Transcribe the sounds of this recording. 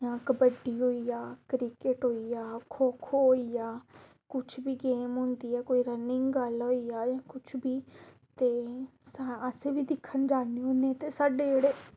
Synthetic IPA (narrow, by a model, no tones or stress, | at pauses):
ãːkbəɖiːɦoːiːaːkɾiːkeʈɦoːiːaːkʰoːkʰoːɦoːiːaː | kʊt͡ʃʰbiːɡeːmɦʊ̃ːnd̪iːɛːkoːiːɾənɪ̃ŋɡɡəlɦoːiːaːjãːkʊt͡ʃʰbiː | t̪eːsaəseːbiːd̪ɪkʰːənd͡ʒaːniːɦoːneːt̪eːsaːɖeːd͡ʒeːɽeː